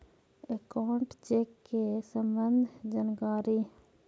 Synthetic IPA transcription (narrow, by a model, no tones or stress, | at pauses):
ekaːɳʈt͡ʃeːkːesəmbənd̪ʱd͡ʒankaːɾi